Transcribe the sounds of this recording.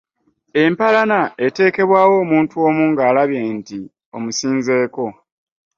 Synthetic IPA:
e̞mpalanae̞te̞ːke̞βwaːwo̞ːmuːntuo̞ːmuːŋɡaːlaβjenti | o̞musiːnze̞ːko̞

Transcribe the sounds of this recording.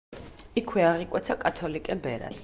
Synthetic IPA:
ikʰwɛaʁikʼwɛt̪sʰakʼat̪ʰɔlikʼɛbɛɾa̰d̪̥

